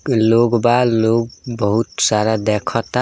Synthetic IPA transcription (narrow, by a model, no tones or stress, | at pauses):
loɡbaloɡ̚bəɦut̪saɾad̪ɛkʰɔt̪a